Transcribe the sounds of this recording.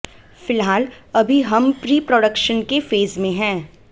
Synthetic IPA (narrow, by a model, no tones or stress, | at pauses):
fɪlɦaːl | ɐbʱiɦɐmpɾiːpɾɔːɖəkʃənkefeːzmẽɦɛ̃ː